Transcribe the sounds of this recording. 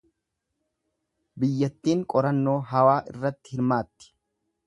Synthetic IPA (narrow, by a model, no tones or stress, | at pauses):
bɪjːɐt̪ːiːŋkʼɔɾɐnːo̞ːɦɐwaːʔɪ̰rːɐt̪ːɪ̥hɪɾmaːt̪ːɪ̥